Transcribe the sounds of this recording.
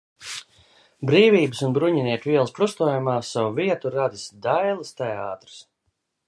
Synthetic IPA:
bɾiːviːbəsunbɾuɲiniɛkvʲiɛlˠspɾust̪uɔjumaːsawuviɛt̪uɾad̪isd̪ajlˠɨst̪ɛaːt̪ɾɨ̥s

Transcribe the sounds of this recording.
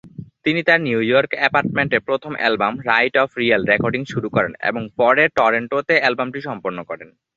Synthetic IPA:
t̪init̪aɾniujɔɾkɛpaɾʈ̚meɳʈepɾot̪ʰomʔɛ̰lbamɾajʈɔfɾialɾekɔɾɖiŋʃuɾukɔɾḛnḛboŋpɔɾeɾʈɔɾeɳʈot̪eɛlbamʈiʃɔmpoɾnokɔɾen

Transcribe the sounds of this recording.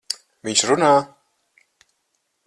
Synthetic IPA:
viɲt͡ʃɾunaː

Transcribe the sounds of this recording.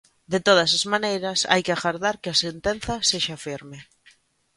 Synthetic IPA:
d̪et̪oð̞asazmanejɾɐsa̰jkɪaɣaɾðaɾkɪasent̪en̟θaseʃafiɾme

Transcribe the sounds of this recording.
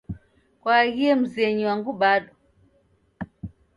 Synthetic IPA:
kwaɣiɛm̩zɛɲiwaŋɡuɓaɗɔ

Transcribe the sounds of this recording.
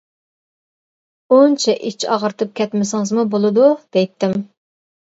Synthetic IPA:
unt͡ʃʰɛʔit͡ʃʰɑ̰ʁəɾt̪ʰɨp̚kʲʰɛt̪mɪsɪŋəzmubolˠɨd̪ud̪̥ɛjt̪ʰːɪm

